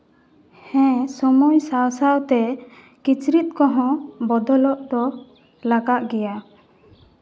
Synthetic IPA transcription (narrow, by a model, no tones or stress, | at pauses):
hɛ̃sɔmɔjsawsawt̪ɛ | kit͡ʃɾit̪̚ˀkɔɦɔ̃bɔd̪ɔlɔʔd̪ɔ | laɡaʔɡɛja